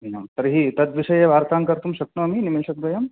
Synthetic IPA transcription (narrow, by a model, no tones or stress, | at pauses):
inɐmt̪ɐɾɦit̪ɐt̪ʋiʃɐjebʱaːɾt̪aːŋkɐɾt̪umʃɐk̚nuɐminimilʃɐk̚ɡ̪ɐjɐm